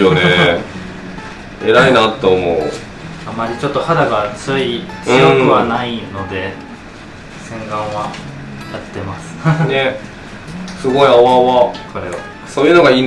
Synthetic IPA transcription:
jone | eɾainat̪ːe̞omo̞ɯ̰ | amːaɾʲit͡ɕo̞t̪ːo̞had̪aɡat͡sɨit͡sijokɯ̟βanaino̞d̪e̞ | sẽ̞ŋɡãɰ̃βa | jat̪ːe̞masɨ̥ne | sɨɡo̞iaβaβakoɾeβa̰ | soːjɯ̟noɡaiːn

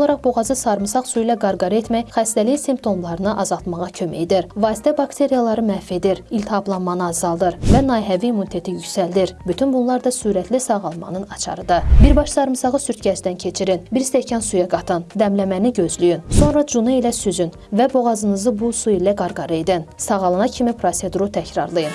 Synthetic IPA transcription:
olˠɑɾɑχbo̞ʁɑzɯsɑɾmɯsɑʁsuilæɡɑɾɡɑɾɯe̞t̪mæjχæst̪ælijinsimpt̪ʰo̞mlˠɑɾɯnɯʔɑzɑlˠt̪mɑʁɑcʰø̞mæ̰ed̪iɾvɑːsi̥t̪ʰæbɑkt̪ʰe̞ɾijalˠɑɾɯmæfe̞d̪iɾilʲt̪ʰɑblˠɑnmɑnɯɑzːɑlˠd̪ɯɾvænɑjɦæviiːmːunit̪ʰe̞t̪ʰijycsæld̪iɾbyt̪ʰynbunlˠɑɾd̪ɑsuːɾæt̪ʰlisɑʁɑlˠmɑ̰nɯnɑt͡ʃʰɑ̰ɾɯd̪ɑbiɾbɑʃsɑɾɯmsɑʁɯsyɾt̪̚ʰɟæt͡ʃd̪æncʰe̞t͡ʃʰiɾinbiɾst̪ecʰænsujɑɡɑt̪ʰɯnd̪æmlæmæniɟø̞zlyjynso̞nɾɑd͡ʒuneilæsyzyn | væbo̞ʁɑzɯnɯzɯbusuilæɡɑɾɡɑɾɯed̪insɑʁɑlˠɑnɑcʰimipɾose̞d̪uɾut̪ʰæcɾɑ̰ɾlˠɯjɯn

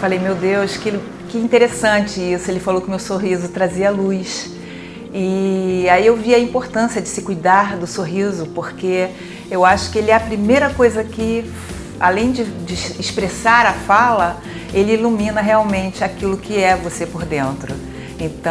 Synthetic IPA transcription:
falejmewd̪ewʃkɪ | kɪĩt̪eɾesɐ̃t͡ʃɪisʊelɪfalowkɪʊmewsoɦizʊt̪ɾaziɐalujʃ | ɪaiewviɐĩpoɾt̪ɐ̃siɐd͡ʒɪsɪkujd̪aɾd̪ʊsoɦizʊpoɾke | ewaʃʊ̥kɪelɪɛɐpɾimejɾɐkojzɐkɪ | a̰lẽj̃d͡ʒɪd͡ʒɪɪʃpɾesaɾɐfalɐ | elɪilumĩnɐɦeawmẽnt͡ʃɪakilʊkɪɛvosepoɾd̪ẽnt̪ɾʊ | ẽt̪ɐ̃

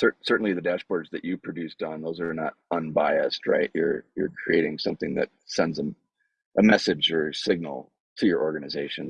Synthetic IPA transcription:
sɜ˞sɜ˞ʔn̩liðɨdæʃb̥ɔɹdzðɨt͡ʃɨpʰɹ̥ɨdʉstn̩ðoʊzə˞nəɾə̃nbaɪɨst̚ʰɹa̰ɪʔjə̰˞jə̰˞kʰɹ̥ieɪɾɪ̃ŋsʌ̃mθɪ̃ŋðɨ̰t̚sɛ̃ndzə | ʔəmɛsɨd͡ʒə˞sɪɡ̚nl̩ˠ | tʰɨjə˞ʔɔɹɡɨnɨzeɪʃɨ̃n

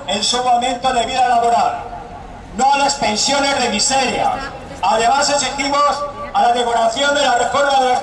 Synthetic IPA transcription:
e̞nsomawmẽ̞nt̪o̞ðe̞βiðalaβo̞ɾal | no̞alaspe̞nsjo̞ne̞zðe̞miseɾja̰s | aðe̞masasist̪imo̞salaðekoɾaθjo̞nd̪elare̞fo̞ɾmaðeo

